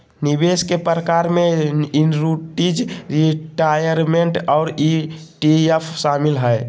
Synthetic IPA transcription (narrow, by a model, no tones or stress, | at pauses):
nibeskepɾəkaɾmeinɾuʈid͡ʒɾiʈajəɾmeɳʈɔʊɾiʈiepʰʃamilɦɛe